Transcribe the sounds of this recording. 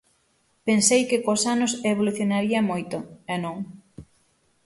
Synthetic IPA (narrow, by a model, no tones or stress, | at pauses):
pensejkɪkosanʊseβ̞oluθjonaɾiɐmojt̪ʊɛnõŋ